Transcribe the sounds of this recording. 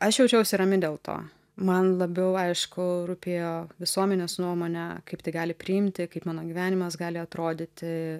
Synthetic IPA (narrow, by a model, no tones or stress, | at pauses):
ɐʃjɛʊt͡ʃʲɛʊʃsʲɪɾɐmʲɪd̪ʲeːlˠt̪o̰ː | mɐnlˠɐbʲɛʊɐɪʃkʊɾuːpʲeːjoːʋʲɪsuɔmʲɛnʲeːsnuɔmoːnʲɛkɐɪpt̪ʲɐɪɡɑːlʲɪpʲɾʲɪɪmʲt̪ʲɪkɐɪpmɑːnoːɡʲiʋʲæːnʲɪmɐsɡɑːlʲɪɐt̪ɾoːd̪ʲɪt̪ʲɪ